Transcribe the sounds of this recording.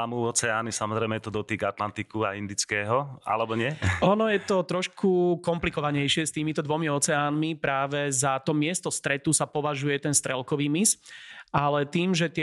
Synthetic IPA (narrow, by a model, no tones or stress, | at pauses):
amuɔt͡sɛaːnisamɔzɾɛɪmɛt̪ɔd̪ɔt̪iːɡat̪lant̪ikua̰ind̪it͡skɛːɦɔa̰lɛbɔɲɪɛɔnɔjɛt̪ɔt̪ɾɔʃkʰukɔmplikɔʋaɲɛjʃɪɛst̪iːmit̪ɔd̪ʋɔmiɔt͡sɛaːnmipɾaːʋɛzat̪ɔmɪɛst̪ɔst̪ɾɛt̪usapɔʋaʒujɛt̪ɛnst̪ɾɛlkɔʋiːmisalɛt̪iːmʒɛt̪ɪɛ